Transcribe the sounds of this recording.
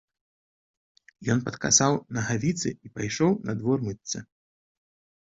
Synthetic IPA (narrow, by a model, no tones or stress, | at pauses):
jɔnpɐt̪ka̰sawnɐɣavʲit̪sɨ̰ipajʂɔwnɐd̪vɔrmɨt̪ʲsʲɐ